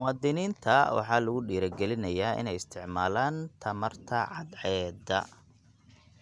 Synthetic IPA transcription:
mʊwɑːd̪ɪniːnt̪ʰɐwɑ̰ħɑːlɐɣʊɖiːɾɐɡɛlɪnɐjaːʔɪ̰nɛjɪst̪ʰɪʕmaːlaːnt̪ʰɐmɐrt̪ʰɐʕɑd̪ʕɛːd̪ɐ̰

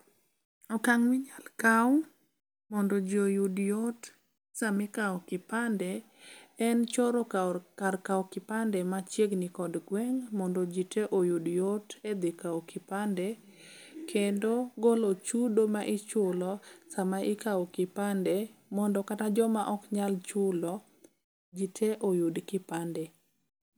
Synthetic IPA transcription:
ɔkaŋmɪɲalkaw | mɔndɔd͡ʒojudjot | samɪkaɔkɪpandɛ | ɛnt͡ʃɔɾɔkarkawkɪpandɛmat͡ʃjeɡnikɔdɡwɛŋmɔndɔd͡ʒiteʔojudjoted̪ɪkaokʰɪpandɛ | kʰendoɡolot͡ʃudomaʔɪt͡ʃʊlɔsamaʔɪkaɔkɪpandɛmɔndɔkatad͡ʒɔmaʔɔkɲalt͡ʃʊlɔ | d͡ʒitʰeʔojudkɪpandɛ

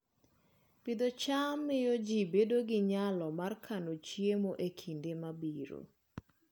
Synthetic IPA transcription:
pid̪ot͡ʃamːɪjɔd͡ʒibedoɡɪɲalɔmarkʰanot͡ʃjemoʔekʰindemabiɾo̰

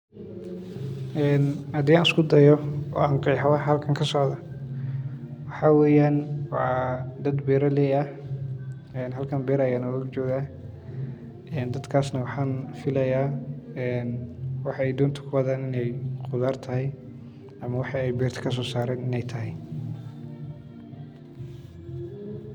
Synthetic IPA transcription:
ʔɛːnhɐd̪iːaːnɪskʰʊd̪ɐjɔɔ̰ːaːŋqɛːħɑwɑħhɐlkʰɐŋkʰɐsɔʕðɐ | wɑħɑːwɛːjaːnwɑːd̪ɐd̪bɛːɾɐlɛjɐ | ɛːnɦɐlkʰɐnbɛːɾɐjanɔɐɡt͡ʃɔːɣaː | ɛːnd̪ɐd̪kʰaːsnɐwɑħɑːnfɪlɐjaːɛːnwɑħɑɛjd̪ɔːnt̪ʰʊ̥kʰʊwɐðaːnɪnɛjqʊðaːrt̪ʰɐɦɛj | ɐmɐwɑħɑɛjbɛːrt̪ʰɐ̥kʰɐs̬ɔːsaːɾɛːnɪnɛjt̪ʰɐɦɪj

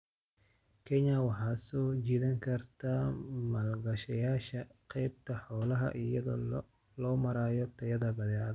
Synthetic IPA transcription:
kʰɛɲɐwɑħɑːsɔt͡ʃiːðɐŋkʰɐrt̪ʰaːmɐlɡɐʃɐjaːʃɐqɛjb̚t̪ʰɐħɔːlɐɦɐ̰ʔɪjɐðɔ̰ | lɔːmɐɾaːjɔt̪ʰɐjɐðɐbɐðɛað

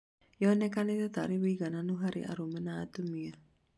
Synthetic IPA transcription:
jɔnɛkanit̪at̪aɾiβiɣananuɦaɾḭʔa̰ɾumɛnat̪umia

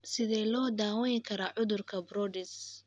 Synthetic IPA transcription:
sɪðɛːlɔːd̪aːwɐnɪkʰɐɾaːʕʊðʊrkʰɐbɾɔːdɪs

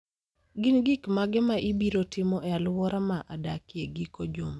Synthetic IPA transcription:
ɡɪnɡikmaɡɛmaʔibiɾotɪmɔʔɛalwɔɾʔamaʔadakieɡikod͡ʒom

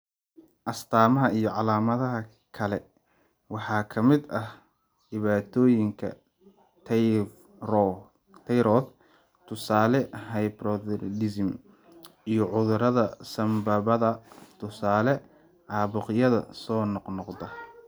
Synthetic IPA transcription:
ʔɐst̪ʰaːmɐɦɐijɞʕɑlaːmɐðɐɦɐ | kʰɐlɛ | wɑħɑːkʰɐmɪd̪ɐh | ɖɪβaːt̪ʰɔːjɪŋkʰɐ̰ | t̪ʰɛjɾɔθ | t̪ʰʊsaːlɛɦɛjbɾɔdɪsɪm | ijɞʕʊðʊɾɐðɐsɐmbaːβɐðɐt̪ʰʊsaːlɛ | ʕɑːβʊqjɐðɐ̰sɔːnɔqnɔqd̪ɐ

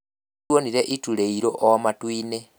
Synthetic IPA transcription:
woniɾeʔituleiɾoʔːwamatwiːne

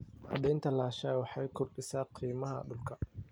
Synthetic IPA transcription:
hɐ̰d̪ɛjnt̪ʰɐlaːʃaːjwɑħɑjkʰʊrɖɪsaːqʰiːmɐɦɐ̰ɗʊlkʰɐ

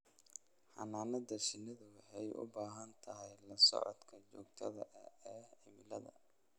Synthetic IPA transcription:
ħɑ̰naːnɐd̪ɐʃɪnɐðʊwħɛjʔʊ̰baːɦɐnt̪ʰɐɦɛjlɐsɔ̰ʕɔ̰d̪kʰɐt͡ʃɔːɡt̪ʰɐðɐʔɐ̰ɛːɪmɪlɐðɐ̰

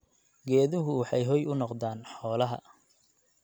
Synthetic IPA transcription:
ɡɛːðʊɦʊwɑħɑjɦɔjʊnɔqðaːnħɔːlɐɦɐ̰

